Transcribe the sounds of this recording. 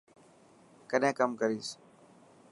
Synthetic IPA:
kəɗɦẽːkəmkəɾiːs

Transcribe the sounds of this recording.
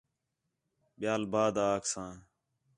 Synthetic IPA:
ɓɪjaːlbaːd̪aːksãː

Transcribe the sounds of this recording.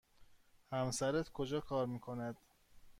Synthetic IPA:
hæmsæɾæt̪ʰkʰod͡ʒɒːkʰɒːɾmiːkʰo̞næd̪̥

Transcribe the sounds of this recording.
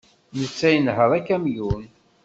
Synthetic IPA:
nət͡sːæjənhəɾˤækːæmjun

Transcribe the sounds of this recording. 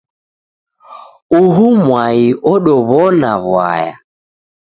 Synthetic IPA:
uɦumwaiʔɔɗɔβɔnaβwa̰ja̰

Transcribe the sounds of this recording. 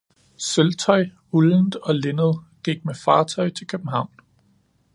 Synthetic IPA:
selt͡sʰɒ̽ɪ | uln̩d̥ɒ̽le̝nəð̞̩ˠ | ɡ̥iɡ̥̚mefɑ̈ːt͡sʰɒ̽ɪt͡sʰe̝lkʰøb̥̚m̩ɦɑ̈ʊ̰n

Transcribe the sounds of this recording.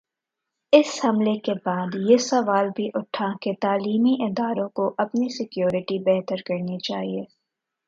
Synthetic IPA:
ɪshɐmlekebaːd̪jesɐʋaːlbʱiʔʊʈʰaket̪aːliːmiʔɪd̪aːɾõkoʔɐpnisɪkjoːɾɪʈibɛɦt̪əɾkɐɾnit͡ʃaːɦieː

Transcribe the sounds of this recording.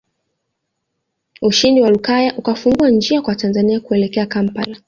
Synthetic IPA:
uʃindiwalukajaʔukafuŋɡuand͡ʒiakwatanzaniakuɛlɛkɛakam̩pa̰la

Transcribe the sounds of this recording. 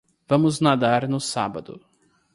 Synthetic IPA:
vɐ̃mʊznad̪aɾnʊsa̰bɐd̪ʊ̰

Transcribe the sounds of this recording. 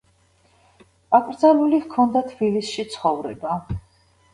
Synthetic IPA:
akʼɾd̪zalulivkʰɔnd̪at̪ʰb̥ilisʃit̪sʰχɔvɾɛ̰ba

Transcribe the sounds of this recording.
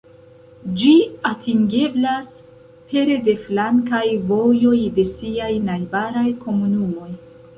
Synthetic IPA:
d͡ʒiatiŋɡe̞blas | pe̞ɾede̞flaŋkajvo̞jo̞jde̞siajnajbaɾajkʰo̞munumo̞j

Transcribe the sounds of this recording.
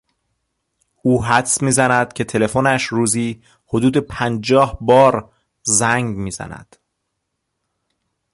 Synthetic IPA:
ʔuːɦæt̪smiːzænæd̪̥cʰe̞t̪ʰe̞le̞fonæʃɾuːziː | ho̞d̪uːd̪e̞pʰænd͡ʒɒːhbɒːɾ | zæŋɡmiːzæ̰næ̰d̪̥

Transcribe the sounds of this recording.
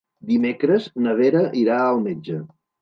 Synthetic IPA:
d̪imekɾəznəβeɾəʔiɾaəlˠmed͡ʒə

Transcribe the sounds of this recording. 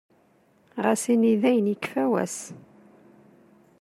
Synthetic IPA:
ʁæsiniðæjənəkfæwæ̰s

